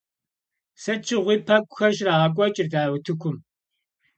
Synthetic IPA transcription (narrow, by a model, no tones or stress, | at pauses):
sɐt͡ʃʰɪʁʷiːpʰɐkʷʼʊxɐʃraːʁɐkʷʼɔt͡ʃʼɪrdaːwtʰɨkʷʰʊm